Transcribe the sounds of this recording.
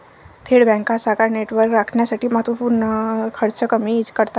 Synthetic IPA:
t̪ʰeɽbɛ̃ŋkãsakaɾneʈʋəɾkɾakʰɳjasaʈiːmat̪upuɾnəkʰəɾt͡ʃʰəkəmid͡ʑkəɾt̪a

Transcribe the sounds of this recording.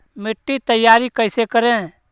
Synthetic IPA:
mɪʈːit̪əjaːɾikəːsekəɾẽ

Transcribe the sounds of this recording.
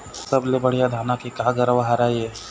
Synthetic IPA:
sɐblebɐɽjad̪ʱaːnakikaːɡəɾəʋaɦaɾaːiɛː

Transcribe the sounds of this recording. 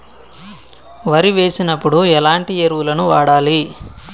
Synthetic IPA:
ʋɐɾiʋe̞ːsinɐpːuɽuɛlaːɳʈieɾuʋulɐnuʋaːɽaːli

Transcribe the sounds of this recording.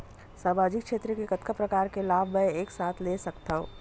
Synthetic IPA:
saːmaːd͡ʒɪkʃeːt̪ɾəkekɐt̪kʰapɾɐkaːɾkelaːbʱmɛ̃eːksaːt̪ʰlesɐkt̪aːɦṵ̃ː

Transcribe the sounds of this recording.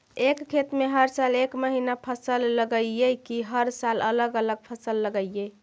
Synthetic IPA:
ekkʰet̪meɦəɾsəlekməɦinapʰəsəlːəɡəekiɦəɾsalələɡələɡ̚pʰəsəlːəɡəije

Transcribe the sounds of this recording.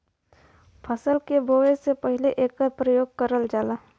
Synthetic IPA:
pʰəsəlkebʱoːʋesepəɦɪleʔeːkapɾəjoːɡ̚kəɾəld͡ʒaːlaː

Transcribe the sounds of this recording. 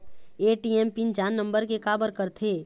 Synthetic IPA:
eːʈiɛmpind͡ʒaːnːə̃mbəɾkekaːbəɾkəɾt̪ʰeː

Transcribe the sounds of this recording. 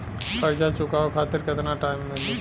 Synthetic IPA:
pɐɾd͡ʒat͡ʃʊkaokʰaːt̪ɪɾkɪt̪naʈaːɪmːeli

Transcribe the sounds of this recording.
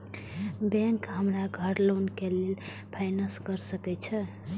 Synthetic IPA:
bɛ̃ŋkɦəmɾaɡʱəɾlonkelel | pʰaɪnəskəɾsəkɛt͡ʃʰɛ

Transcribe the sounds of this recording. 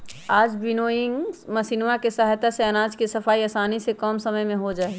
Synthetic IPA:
aːd͡ʒbɪnoːjɪ̃ŋɡmɐsinwakesəɦjt̪aseɐnaːd͡ʒkesɐfʰaːiɐsaːnisekɔːmsɐməjmẽɦod͡ʒaːeɡ

